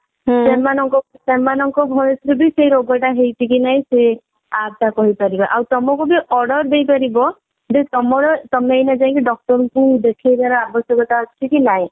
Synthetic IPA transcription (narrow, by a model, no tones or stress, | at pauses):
semanɔŋkɔsemanɔŋkɔbʱɔjɔsɾebisejɾoɡɔʈaɦejt̪ʰikinaĩse | abt̪akɔɦipaɾibaʔawt̪ɔmɔkubiʔɔɽɔɾd̪ejpaɾibɔ | d͡ʒet̪ɔmɔɾet̪ɔmejnad͡ʒaj̃kiɖɔk̚ʈɔɾɔŋkud̪ekʰejdaɾɔabɔsjɔkɔt̪aɔt͡ʃʰikilaj